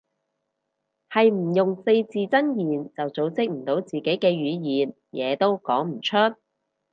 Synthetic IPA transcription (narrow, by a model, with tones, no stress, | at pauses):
hɐ˨jm̩˨˩jʊ˨ŋse˧jt͡siː˨t͡sɐ˥njiː˨nt͡sɐ˨wt͡so˨˧˥wt͡sɪ˥k̚m̩˨˩t̪o˨˥wt͡siː˨˩ke˨˥jkɛː˧ɥyː˨˧jiː˨n | jɛː˨˧t̪o˥wkɔː˨˥ŋm̩˨˩t͡ʃʰɵ˥t̚